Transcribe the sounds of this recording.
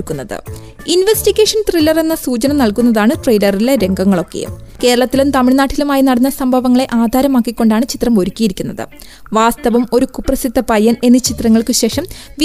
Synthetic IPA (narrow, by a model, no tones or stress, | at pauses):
kːunːɐðɨ̰ | inʋestiɡe̞ːʂɐnʈrilːɐre̞nːɐsuːt͡ɕɐnɐmnɐɭkunːɐðaːɳɨʈrejlɐrile̞ɾe̞ŋɡɐŋːɐɭo̞kːe̞̰jṵmke̞ːɾɐɭɐt̪ːilumt̪ɐmiɭnaːʈʰːilumaːjinɐɽɐnːɐsɐmbʱɐʋɐŋːɐɭe̞ʔaːd̪ʱaːɾɐmaːkːikʲːo̞ɳɖaːɳɨt͡ɕit̪rɐmo̞ɾukʲːijiɾikʲːunːɐðɨ̰ | ʋaːst̪ɐʋɐmo̞ɾukupːrɐsit̪ːɐpɐjːɐne̞nːɨt͡ɕit̪rɐŋːɐɭkɨɕe̞ːʂɐmʋi